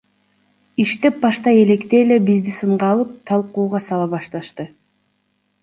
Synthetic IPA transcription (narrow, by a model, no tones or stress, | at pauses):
iʃt̪e̞p̚bɑʃt̪ɑe̞le̞kt̪e̞ːle̞bizd̪isɯɴʁɑːlˠɯp̚t̪ʰɑlˠquːʁɑsɑlˠɑβɑʃt̪ɑʃt̪ɯ